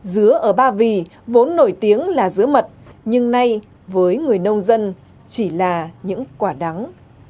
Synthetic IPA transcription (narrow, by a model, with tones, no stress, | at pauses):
zɨ˨˦əʔəː˧˩ɓaː˧vi˨˩vo˨˦nːo˧˩jt̪i˨˦əŋlaː˨˩zɨ˨˦əmə˨˩t̚ɲɨ˧ŋna˧j | vəː˨˦jŋɨ˨˩əjnə˧wŋ͡mzə˧n | t͡ɕi˧˩laː˨˩ɲɨ̰˧˥ŋkwaː˧˩ɗa˨˦ŋ